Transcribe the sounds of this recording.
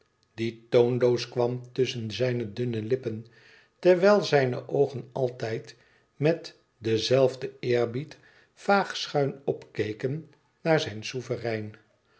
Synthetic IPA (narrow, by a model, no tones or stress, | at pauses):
d̥itownlowskʋɑmtɵsənzɛjnədɵnəlɪpən | tɛɹʋɛjlˠzɛjnə̰ʔowχənɑlˠtɛjt | mɛt | dəzɛlˠvdəɪːɹbit | faːχsχœɥnɔpkejkən | naːɹzɛjnsuvərɛjn